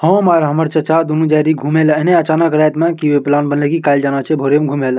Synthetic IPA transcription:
həmaɾɦəməɾt͡ʃət͡ʃad̪unũd͡ʒaɾiɡʱumeləɦneət͡ʃanəkɾajt̪mãkiweplanbənlekikald͡ʒanat͡ʃʰɛbʱoɾemɡʱumel

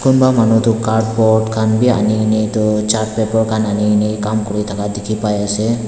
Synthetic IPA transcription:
kunbamanɔt̪ɔkaɾɖ̚pɔʈkʰanbia̰ninejt̪ɔt͡ʃaʈ̚pɛpɔɾkʰananinejkamkɔɾit̪ʰakad̪ɛkʰipajasɛ

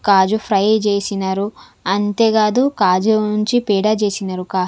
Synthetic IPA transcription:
kaːd͡ʒupʰɾɐjt͡ʃeːsinɐɾu | ɐnt̪e̞ːɡaːd̪ukaːd͡ʒunuɲt͡ʃipiːɖaːt͡ʃe̞ːsinɐɾukaː

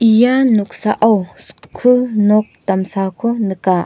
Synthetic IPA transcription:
ʔijanuk̚saʔawskʰːɯnɔk̚t̪amsakʰɔnɯkaʔ

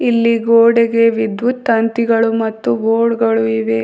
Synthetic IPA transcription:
ilːiɡoːɽeɡe̞ʋid̪ʋut̪ːɐnt̪iɡɐɭumɐt̪ːuboːɽɡɐɭuiʋe

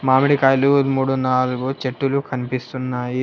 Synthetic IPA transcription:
maːmiɽikaːjlumuːɽunaːluɡut͡ʃeʈːulukʰɐnipist̪unːaːji

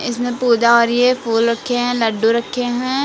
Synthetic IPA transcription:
ɪsmẽpuːd͡ʒaɔːɾjepʰuːlɾɐkʰːeɦɛ̃ːləɖːuɾɐkʰːeɦɛ̃ː

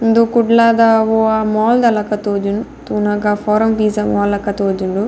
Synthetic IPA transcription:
nd̪ukuɖlaːd̪aʋoamɔːld̪ɐlɐkɐt̪oːd͡ʒunt̪uːnɐɡapʰoːɾɐmpiːsɐmɔːlɐkɐt̪oːd͡ʒuɳɖu

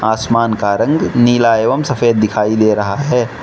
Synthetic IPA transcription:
aːsmaːnkaɾə̃ŋɡniːlaeːʋəmsəpʰeːd̪̚ːɪkʰaːid̪eɾɐɦaɦɛː

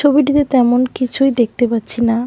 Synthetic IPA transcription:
obiʈ̬it̪et̪ɛmonkit͡ɕʰujd̪ek̚t̪epatːɕʰina

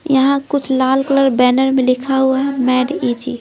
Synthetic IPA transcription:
jɐɦãkʊt͡ʃʰlaːlkləɾbɛːnəɾmẽlɪkʰaɦuaɦɛmɛːɖit͡ʃi

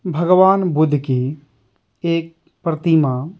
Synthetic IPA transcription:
bʱəɡʋaːnbʊd̪ʱki | eːk̚ | pɾət̪ima

